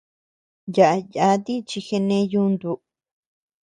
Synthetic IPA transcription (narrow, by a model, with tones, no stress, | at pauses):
ja˨ʔa˧ja˧˦t̪i˦t͡ʃi˧xe˧nẽ˧ju˧nd̪u˧˨